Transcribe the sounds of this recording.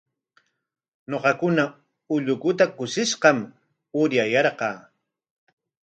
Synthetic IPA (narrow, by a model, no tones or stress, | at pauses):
noqɑkʊna | ʊʎʊkʊt̪akʊʃɪʃqɑm | ʊɾjajɑɾqɑː